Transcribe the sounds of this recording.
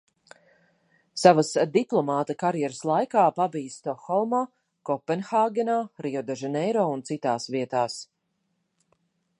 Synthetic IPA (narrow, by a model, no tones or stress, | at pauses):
savasd̪iplˠɔmaːt̪akaɾjɛɾəslˠajkaːpabijst̪ɔxɔlˠma | kɔpːɛnxaːɡɛnaɾiɔd̪ɛʒɛnɛjɾɔːunt̪sit̪aːsviɛt̪aːs